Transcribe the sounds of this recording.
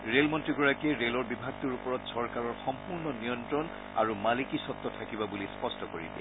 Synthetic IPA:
ɹelmɔntɹiɡɔɹakɛɹelɔɹbibʱaɡ̚tuɹupɔɹɔtsɔɹkaɹɔɹxɔmpuɹnɔnijɔntɹɔn | aɹumalikisɔt̪ːɔtʰakibabulispɔstɔkoɹḭbɛ̰

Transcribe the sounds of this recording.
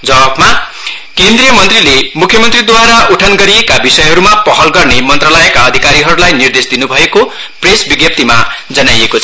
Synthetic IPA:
d͡zʌbabma | kend̪rijʌmʌnt̪rilemukʰjʌmʌnt̪rid̪waɾauʈʰanɡʌɾiekabisʌjɦʌɾumapʌɦʌlɡʌrnemʌnt̪ralʌjekaʌd̪ʱikaɾiɦʌɾulajnird̪esd̪inubʱʌeko | presbiɡjʌp̚t̪ima̰ | d͡zʌnajekot͡sʰʌ

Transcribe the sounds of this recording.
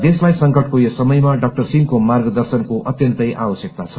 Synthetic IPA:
d̪eslajsʌŋkʌʈkojosʌmʌjmaɖʌk̚ʈʌrsinkomarɡʌd̪ʌrsʌnkoʔʌt̪jʌnt̪ʌjabʌsjʌk̚t̪at͡sʰʌ̥

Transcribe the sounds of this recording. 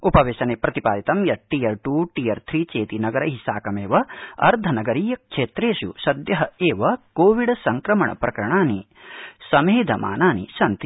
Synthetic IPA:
upɐʋeːʃɐneːpɾɐt̪ipa̰ːd̪it̪ɐmjɐʈiːjɐɾʈuːʈiːɐɾt̪ʰɾiːt͡ʃeːt̪inɐɡɐɾɐɦisaːkɐmeːʋɐɐ̰ɾd̪ʱɐnɐɡɐɾiːjɐkʂeːt̪ɾeːʃṵʃɐd̪jɐɦɐeːʋɐkoːʋiɽsɐŋkɾɐmɐɳɐ̰pɾɐkɐɾɐɳaːni | sɐmeːd̪ʱɐmʔa̰ːnaːnḭʃɐnt̪i

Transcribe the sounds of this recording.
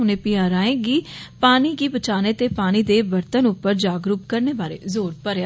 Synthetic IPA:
ʊnẽːpijãːɾaːẽːɡiːpaːniːɡiːbət͡ʃaːneːt̪eːpaːniːd̪eːʋəɾt̪ənʊpːəɾd͡ʒaːɡɾuːpkəɾneːbaːɾḛːzoːɾpəɾa

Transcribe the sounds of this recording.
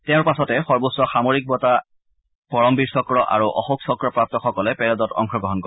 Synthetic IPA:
tɛʊ̃ɹpasɔtɛxɔɹbusɔxamoɹik̚bɔta | pɔɹɔmbiɹsɔkɹɔʔa̰ɹuʔɔ̰xuksɔkɹɔpɹap̚tɔxɔkɔlɛpɛɹɔdɔtɔ̰ŋxɔɡɹɔɦɔnkɔ

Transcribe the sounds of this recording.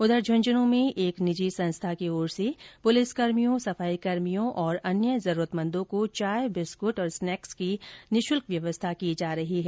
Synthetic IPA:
ʊd̪əɾd͡ʒʱʊ̃nd͡ʒənõmẽʔeːknɪd͡ʒisɐ̃nst̪ʰakeoːɾsepʊlɪskɐɾmijõsɐfaːikɐɾmijõʔɔːɾɐnjəzɐɾuːɾət̪mə̃nd̪õkot͡ʃaːjbɪskʊʈɔːɾsnɛːkskinɪʃʊlkʋjɐʋəst̪ʰakid͡ʒaːɾɐɦiɦɛː

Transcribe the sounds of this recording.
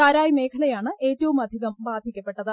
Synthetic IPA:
kaːɾaːjme̞ːkʰɐlɐjaːɳɨeːtːɐʋumɐd̪ʱiɣɐmbaːd̪ʱikʲːɐpːe̞ʈːɐðɨ

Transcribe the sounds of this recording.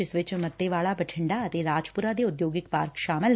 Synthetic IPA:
ɪsʋɪt͡ʃmɐt̪ːeʋaːɭabɐʈʰɪ̃ɳɖaɐt̪eɾaːd͡ʒpʊɾad̪eʊd̪joːɡɪkpaːɾkʃaːməl

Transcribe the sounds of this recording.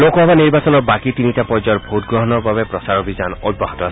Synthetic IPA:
lokɔɦɔbaniɾbasɔnɔɾbakit̪iniʈapɔd͡ʒɔɾbʱot̪ɡɾɔɦɔnɔɾbabepɾɔsaɾɔbʱid͡ʒanɔd̪̚bɔɦɔt̪ɔasi

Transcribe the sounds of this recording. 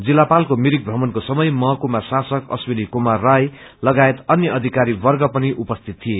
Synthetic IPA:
d͡zilːapalkomiɾik̚bʱrʌmʌnkosʌmʌjmʌɦkumasasʌkʌ̰swinikumarːaj | lʌɡaet̪ʌnjʌʌd̪ʱikaɾibʌrɡʌpʌniʔupʌst̪ʰit̪ːʰije

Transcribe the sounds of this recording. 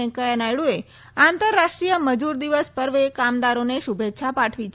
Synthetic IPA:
ekəjənajɭue | ãnt̪əɾːaʃʈɾijəməd͡ʒuɾd̪iʋəspəɾʋekamd̪aɾoneʃubʱet̪ːʃʰapaʈʰʋit͡ʃ

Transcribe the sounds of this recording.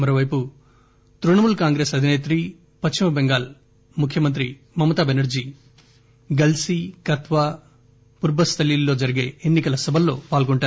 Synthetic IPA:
mɐɾoːʋɐjpu | t̪ɾuɳɐmulkaːŋɡɾe̞ːsɐd̪ʱineːt̪ɾiː | pɐt͡ʃt͡ʃimɐbeŋɡaːl | mukʰjɐmɐnt̪̬ɾi | mɐmːɐt̪aːbenɐɾd͡ʒiː | ɡɐlsiːkɐt̪ʋaː | puɾbɐst̪ʰɐlilːo̞ːd͡ʒɐɾiɡe̞ːenːikɐlɐsɐbʱɐlːo̞ːpaːlɡoɳʈaːɾu

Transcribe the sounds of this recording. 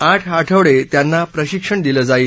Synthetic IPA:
aʈʰɦaʈʰəʋɭet̪janːapɾəɕikʂəɳd̪iləd͡zaiːl

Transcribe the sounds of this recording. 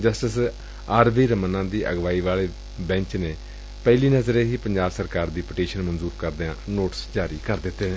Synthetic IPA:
d͡ʒəsʈəs | aːɾʋiːɾəmənãːd̪iːʔə̰ɡʋaːiːʋaːleː | bɛ̃ːɲt͡ʃneː | pɛːliːnəzɾeːɦiːpəɲd͡ʒaːbsəɾkaːɾd̪iːpəʈiːʃənmənzuːɾkəɾd̪eãːnoːʈsd͡ʒaːɾiːkəɾd̪ɪt̪ːeːeː

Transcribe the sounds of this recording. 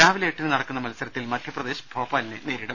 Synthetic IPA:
aːʋileːʈːinɨnɐɽɐkːunːɐmɐlɐsɐɾɐt̪ːilmɐd̪ʱjɐprɐd̪e̞ːɕɐ̥bʱo̞ːpːaːlinɨneːɾiɽɐm

